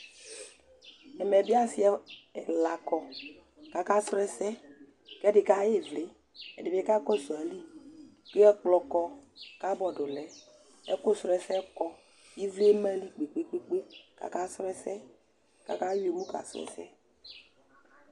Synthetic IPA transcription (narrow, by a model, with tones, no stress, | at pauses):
ɛ˨mɛ˨bi˦a˦si˦ɛ˨la˨kɔ˨ | ka˨ka˦sɾɛ˦sɛ˦ | kɛ˦dɪ˨ka˦je˦vle˨˦ | ɛ̰˨de˨bɛ˦ka˦kɔ˦sɔ˨a˨li˦ | ke˦ɛ˦k͡plɔ˨kɔ˦ka˦bɔ˨do˨lɛ˨ | ɛ˦ko˦sɾɛ˨sɛ˦kɔ˦ | i˦vle˦mɛ̃˦li˦k͡pe˨k͡pe˦k͡pe˦k͡pe˦ka̰˨ka˦sɾɛ˦sɛ˦ | ka̰˨ka˦we˨mũ˦ka̰˨sɛ̰˨sɛ̰˦